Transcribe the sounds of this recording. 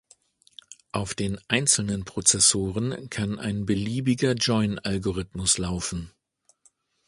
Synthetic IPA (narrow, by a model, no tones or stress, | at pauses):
ʔaʊfd̥eːnʔaɪnt͡sl̩nənpʁ̥ot͡sɛsoːʁənkʰana̰ɪnbəliːbɪɡɐd͡ʒɔʏnʔalɡoʁɪtmʊslaʊfn̩